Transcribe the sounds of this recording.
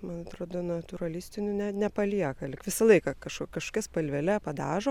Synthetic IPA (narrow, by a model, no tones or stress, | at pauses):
mɐnɐt̪ɾoːd̪onɐt̪ʊɾɐlʲɪːsʲt̪ʲɪnʲʊnʲɛnʲɛpɐlʲiɛkɐlʲɪkʋʲɪsɐlˠɐɪkɐkɐʃkokɐʃko̥kʲɛspɐlʲʋʲɛlʲɛpɐd̪ɑːʒoː